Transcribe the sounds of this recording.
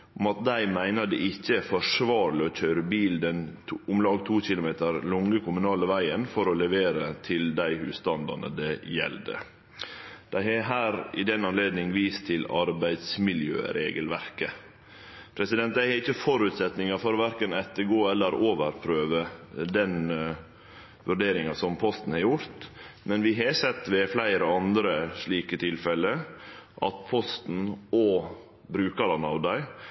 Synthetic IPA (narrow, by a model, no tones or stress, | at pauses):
ʊmɑt̪̚d̪æɪmæɪnɑd̪ɛʔɪçːəfɔʂʋɑːɾlɪɔc͡çøɾəbiːld̪ɛnʰʊmlɑːɡt̪ʰuːçɪlʊmeːt̪əɾlʊŋəkʰʊmʉnɑːləʋæɪənfɔɾɔlɛʋeːɾət̪ʰɪld̪æɪhʉːst̪ɑnd̪ɑ̰nə̰d̪ɛjɛ̰ld̪ə̰ | d̪̥æɪhɛɦæːɾɪd̪ɛnɑnleːd̪nɪŋʋiːst̪ʰɪlɑɾbæɪd̪smɪljø̰ːɾḛːɡəlʋæɾkə | pʰɾɛsɪd̪ɛnt̪̚d̪æɪhɛɾɪçːəfɔɾʉt̪sɛt̪nɪŋɑfɔɾʋæɾkənɛt̪ːəɡoːɛlːəɾoːʋəɾpʰɾøːʋəd̪ɛn | ʋʉɾɖeːɾɪŋɑsɔmpʰɔst̪n̩hɑɾjʊɾt̪mɛnʋɪɦɛsɛt̪ːʋɛflæɪɾəɔɑnd̪ɾəʂɭiːkət̪ʰɪlfɛlːəʔɑ̰t̪pʰɔst̪n̩oː | bɾʉːkɑɾɑnɑʋd̪æɪ